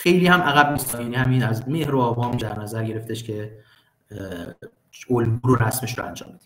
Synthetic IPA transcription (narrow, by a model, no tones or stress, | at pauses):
xe̞jliːhæmʔæɣæb̚niːst̪ʰɒjæniːhæmiːnæzmehɾoɒːvɒːmd̪æɾnæzæɾɟe̞ɾeft̪eʃcʰe̞ | olbuːɾoɾæsmeʃɾo̰æ̰nd͡ʒɒ̰ːmbed̪i